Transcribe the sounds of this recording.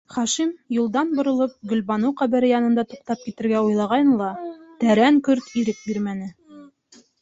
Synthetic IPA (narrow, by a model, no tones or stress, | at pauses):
χɑʃimjulˠd̪ɑnbŏɾɤ̆lˠɤp̚ɡɵ̆lbɑnuwqæbɘ̆ɾɘjɑnɤ̆nd̪ɑt̪uq̚t̪ɑp̚kit̪ɘ̆ɾɡæujlˠɑʁɑjɤnlˠɑt̪æɾæŋkɵɾt̪iɾɘk̚biɾmæn̪ɘ